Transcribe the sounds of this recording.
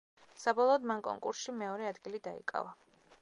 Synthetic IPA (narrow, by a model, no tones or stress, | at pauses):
sabɔlˠɔːd̪mankʼɔ̰ŋkʼṵɾsʃimɛɔɾɛad̪ɡilid̪aḭkʼa̰va